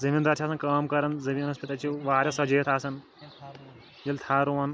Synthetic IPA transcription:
zɐmiːnd̪aːɾt͡ʃʰaːsɐnkɐːmkɐɾɐnzɐʋiːnɐspʲit̪ɐt͡ʃʰiʋaːɾʲjɐsɐd͡ʒeːt̪ʰaːsɐn | jɐlʲt̪ʰaːɾuʋɐn

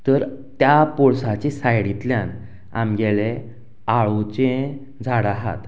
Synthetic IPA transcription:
t̪əɾt̪japɔɭsat͡ɕesajɽit̪ljan | a̰mɡɛle | aɭot͡ɕẽ | d͡zʱaɽaɦa̰t̪

